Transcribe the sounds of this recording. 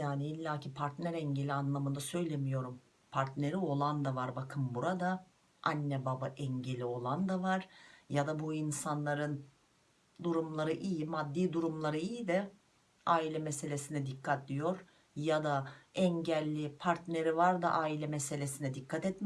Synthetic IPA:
jaːniilʲːaːcʰipʰaɾt̪næɾɛɲɟe̞lʲianlˠamɯnd̪asø̞jlʲemijo̞ɾum | pʰaɾt̪neɾio̞lˠand̪avaɾbakʰɯmbuɾad̪a | anːɛbabaʔɛɲɟe̞lʲio̞lˠand̪avaɾ̥jad̪abuinsanlˠaɾɯn | d̪uɾumlˠaɾɯʔijimad̪ːiːd̪uɾumlˠaɾɯijid̪ɛ | aːilʲɛmese̞lʲe̞sinɛd̪ikʰːat̪lʲijo̞ɾ | jad̪aɛɲɟælʲːipʰaɾt̪neɾivaɾd̪a̰ʔaːilʲɛmese̞lʲe̞sinɛd̪ikʰːat̪ɛt̪m

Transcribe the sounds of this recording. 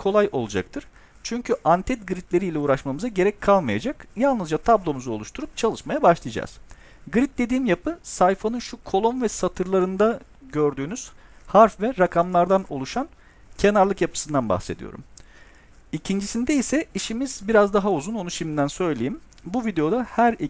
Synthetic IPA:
kʰo̞lˠajo̞lˠud͡ʒa̰k̚t̪ʰɯɾ̥ | t͡ʃʰyɲcʰyʔant̪ʰɛt̪̚ɡɯɾit̪ʰlʲe̞ɾiːlʲɛuːɾaʃmamɯzaɟe̞ɾɛc̚kʰːalˠmaja̰d͡ʒakjalˠnɯzd͡ʒat̪ʰablˠo̞muzuo̞lˠuʃt̪ʰuɾup̚t͡ʃʰalˠɯʃmajabaʃlˠijad͡ʒa̰z̥ | ɡɯɾit̪̚d̪e̞d̪iːmjapʰɯsajfanɯnʃukʰo̞lˠonvɛsat̪ʰɯɾlˠaɾɯnd̪a | ɟø̞ɾd̪yːnyz̥haɾfvɛɾakʰamlˠaɾd̪ano̞̰lˠuʃan | cʰe̞naɾlˠɯkjapʰɯ̥sɯnd̪anba̰xse̞d̪ḭjo̰ɾṵm | icʰind͡ʒisind̪ɛisɛiʃimizbiɾazd̪aɦauzuno̞nuʃimind̪ænsø̞jlʲejim | buvid̪e̞jo̞d̪ahæɾi

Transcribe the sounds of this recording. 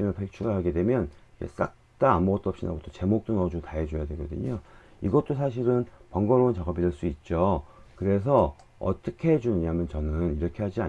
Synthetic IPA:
imɯɭpʰek̚t͡ɕʰuɡaɦaɡe̞dwe̞mjʌnd͡ʑḛs͈a̰k̚t͈aːmboɡʌt͈oʌp̚ɕ͈ina̰ɡot͈ʰot͡ɕe̞mok̚t͈onʌd͡ʑutaɦed͡ʑojadweɡʌdɯɲo | iɡʌt͈osʰaɕ̬ʰiɾɯnpʌŋɡʌɾount͡ɕaɡʌbideɭs͈uit̚t͡ɕ͈okɯɾe̞s̬ʰʌ | ʌ̰t͈ʌkʰeɦed͡ʑunɯɲamjʌnt͡ɕʌnɯniɾʌkʰe̞ɦad͡ʑia

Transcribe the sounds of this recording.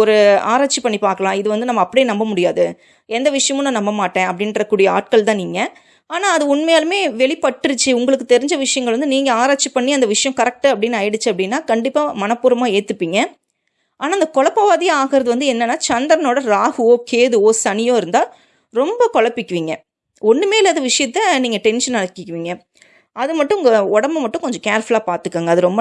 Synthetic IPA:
ɔɾɯaːɾaːt͡ʃːipːɐɳːipaːɾkɐɭãːɪðɯʋɐnd̪ɯnɐmːɐːpːɐɽɪjnɐmbɐmʊɽɪjaːðɯ | ɛnd̪ɐʋɪʂɐjɐmʊnːɐ̃nɐmːɐmaːʈːẽːɐpːɐɽɪnrɐkːuːɽɪjɐa̰ːʈ̚kɐɭt̪ãːniːŋɡɐ | aːnaːɐðɯʊɳmejaːlɐmeːʋɛɭɪpːɐʈːɯɾɯt͡ʃːɯʊŋɡɐɭɯkːɯt̪ɛɾɪɲd͡ʒɐʋɪʂɐjɐŋɡɐɭʋɐnd̪ɯniːŋɡɐaːɾaːt͡ʃːipːɐɳːiɐnd̪ɐʋɪʂɐjɐ̃kɐɾɛk̚ʈɯɐpːɐɽɪnːɐjɽɯt͡ʃːɯɐpːɽɪnːaːkɐɳɖɪpːaːmɐnɐpːuːɾɐmaːeːt̪ːɯpːiːŋɡɐ | ʔaːnaːɪnd̪ɐkɔɭɐpːɐʋaːðɪjaːɣɪɾɐðɯʋɐnd̪ɯɛnːɐnːaːt͡ʃɐnd̪ɾɐnoːɽɐɾaːhɯoːkeːðɯoːsɐnɪjoːɪɾɯnd̪aː | ɾɔmbɐkɔɭɐpːɪkːɯʋiːŋɡɐ | ɔnːɯmeːlɐɐðɐʋɪʂɐjɐt̪ːɐniːŋɡɐʈɛnʂɐnnɐɽɐkːɯkːɯʋiːŋɡɐ | ɐðɯmɐʈːɯ̃ʊŋɡɐɔɽɐmbɐmɐʈːʊ̃ŋkɔɲd͡ʒɔ̃kaːɾfɐlaːpaːɾt̪ɯkːaːŋɡɐːðɯɾɔmbɐ

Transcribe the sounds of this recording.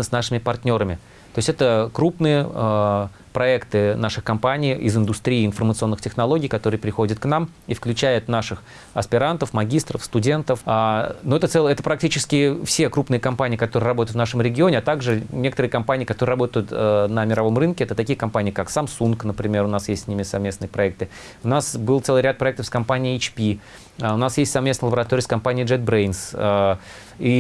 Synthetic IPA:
nəsnaʂɨmʲɪpɐrt̪ʲnʲo̞ɾəmʲɪ | t̪oɪsʲtʲɛt̪əkɾupnɨjə | pɾɐɛkt̪ɨnaʂɨxkɐmpanʲɪijɪ̰zɨnd̪ʊst̪ɾʲiːɪnfərmət̪sɨo̞nːɨxtʲɪxnɐlˠo̞ɡʲijkɐt̪o̞ɾɨjəpɾʲɪxo̞dʲɪt̪knam | ifklʲʉt͡ɕæjɪt̪naʂɨx | ɐspʲɪɾant̪əfmɐɡʲist̪ɾəfst̪ʊdʲe̞nt̪əfanoɛt̪ət̪sɛlˠɛt̪əpɾɐk̚tʲit͡ɕɪskʲɪfsʲe̞kɾupnɨjəkɐmpanʲɪːkɐt̪oɾɨɪrɐboəɪt̪vnaʂəmɾʲɪɡʲɪonʲɪat̪aɡʐɨnʲe̞kə̥t̪əɾɨɪkɐmpanʲɪkɐt̪oɾɨːrɐbo̞t̪əjʊt̪ənəmʲɪɾɐvo̞mrɨnkʲɪɛt̪ət̪ɐkʲijəkɐmpanʲɪjəkaksamsunknəpɾʲɪmʲe̞ɾʊnasjesʲtʲsʲnʲimʲɪsɐvmʲesnɨjəpɾɐɛk̚t̪ɨ | ʊnasbɨlˠt̪sɛlˠɨɪɾʲat̪pɾɐɛkt̪əfskɐmpanʲɪet͡ɕpʲi | əʊnasjesʲtʲsɐvmʲesnɪjləbəɾɐt̪oɾʲiːskɐmpanʲɪjʐɛd̪̚bɾejnsə | i

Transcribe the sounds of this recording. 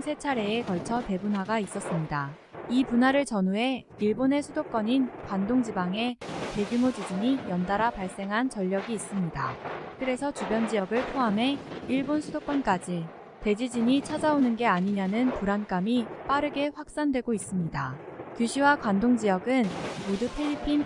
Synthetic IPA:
sʰe̞t͡ɕʰaɾe̞ːkʌɭt͡ɕʰʌpe̞bunɦwaɡais͈ʌs͈ɯmɲida | ipunɦaɾɯɭt͡ɕʌnuɦe̞ | iɭbone̞sʰudok͈ʌɲinkwandoŋd͡ʑibaŋe̞pe̞ɡumod͡ʑid͡ʑiɲijʌndaɾapaɭs͈e̞ŋɦant͡ɕʌʎːʌɡiːs͈ɯmɲidakɯɾe̞sʰʌt͡ɕubjʌnd͡ʑijʌɡɯɭpʰoamɦe̞iɭbonsʰudok͈ʌnk͈ad͡ʑi | te̞d͡ʑid͡ʑiɲit͡ɕʰad͡ʑaonɯnɡe̞aɲiɲanɯnpuɾank͈amip͈aɾɯɡe̞ɸwak̚s͈andwe̞ɡois͈ɯmɲidakjuɕʰiwakwandoŋd͡ʑijʌɡɯnmodɯpʰeʎːipʰin

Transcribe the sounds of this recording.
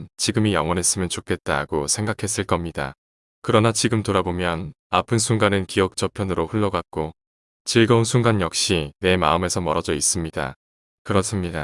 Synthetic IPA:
nt͡ɕiɡɯmijʌŋwʌnɦe̞s͈ɯmjʌnt͡ɕokʰe̞t̚t͈aɡ̥osʰe̞ŋɡakʰe̞s͈ɯɭk͈ʌmɲida̰ | kɯɾʌnat͡ɕiɡɯmtoɾabomjʌn | apʰɯnsʰuŋɡanɯnkiʌk̚t͡ɕ͈ʌpʰjʌnɯɾoɸuɭːʌɡak̚k͈o | t͡ɕiɭɡʌunsʰuŋɡanjʌk̚ɕ͈ine̞ma̰ɯme̞sʰʌmʌɾʌd͡ʑʌis͈ɯmɲida̰ | kɯɾʌs͈ɯmɲida

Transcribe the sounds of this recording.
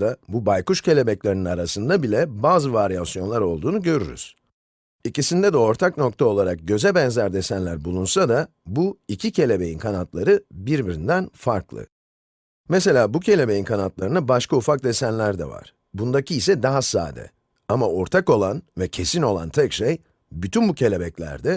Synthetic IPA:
abubajkuʃcʰe̞lʲe̞bɛclʲeɾininaɾasɯnd̪abilʲɛbaːzɯvaɾijasjo̞nlˠaɾo̞lˠd̪uːnuɟø̞ɾy̰ɾy̰z̥ | icisind̪ɛd̪ɛo̞ɾt̪ʰakno̞k̚t̪ʰao̞lˠaɾak̚ɟø̞zɛbɛnzæɾd̪e̞sænlʲæɾbulˠunsad̪a | buicʰicʰe̞lʲe̞be̞jinkʰanat̪lˠaɾɯbiɾbiɾind̪ænfaɾklˠɯ̰ | mɛs̬e̞lʲaːbucʰe̞lʲe̞bejinkʰanat̪lˠaɾɯnabaʃkʰaufak̚d̪e̞sænlʲæɾd̪ɛ̰va̰ɾ̥ | bund̪acʰiːsɛd̪aɦasa̰ːd̪ɛ̰ | amao̞ɾt̪ʰako̞lˠanvɛcʰe̞sino̞lˠa̰nt̪ʰɛcʃej | byt̪ʰynbucʰe̞lʲe̞bɛclʲæ̰ɾd̪ɛ

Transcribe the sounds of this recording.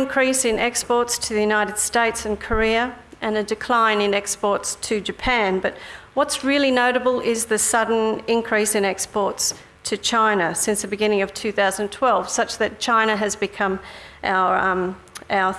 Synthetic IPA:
nkʰɹ̥isɨ̃nɛkspɔɹtstʰɨðɨjʉnaɪɾɨd̥steɪtsɨ̃nkʰə˞iɨʔɨ̃nɨdɨkʰl̥ãɪ̃nɨ̃nɛkspɔɹtstʰɨd͡ʒɨpʰæ̃nbʌt̚wʌtsɹɪlˠinoʊɾɨbəl̩ˠɪzðɨsʌdⁿn̩ɪ̃nkʰɹ̥isɨ̃nɛkspɔɹts | tʰɨt͡ʃʰãɪ̃nɨsɪ̃nsðɨbɨɡɪ̃nɪ̃ŋʌv̥tʰʉθaʊz̃ntʰw̥ɛlˠv̥sʌt͡ʃðɨt̚t͡ʃʰãɪ̃ñɨɨzbɨkʰʌ̃mʔa̰ʊə˞ʔaʊə˞

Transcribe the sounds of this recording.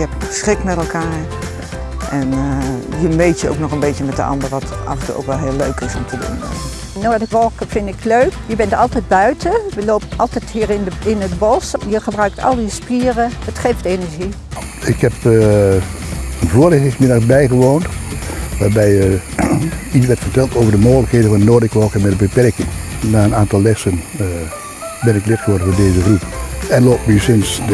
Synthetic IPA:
ɛpsχɪkmɛtɛlˠkʰaːɹ | ʔɛnjəmejtjəo̰wknɔxənbeːtjəmɛt̚də̰ɑ̰ndəɹʋɑtʔɑ̰vəntṵo̰wkʋɛlˠɦɪəlˠːøɥkɪsɔmtʰədṵnɛ̰ək | noːdəkʋɔlˠkəfɪndɪkløɥkjəbɛntɑlˠtɛjd̚bœɥtʰəʋəloːpəɑlˠtɛthiərɪnɪnət̚bɔsjəxəbrœɥk̚tʰɑ̰lˠdiəspiərəətχɪftenəɹʒi | ɪkhɛp | ənvoːəlɪχtɪŋsmɪdaχsbɛjχəʋoːntʋaːɹbɛjə | itsʋɛɹtfərtɛlˠtoːvəɹdəmoːɣələkheːdənvɔnənoːdɪkʋɔlˠkəmɛdəbəpɛrkɪŋnaːənaːntɑlˠːɛsən | bɪnɪklɪtχəʋɔɹdən̩vʊndeːzəχrupɛnloːpnysɪns

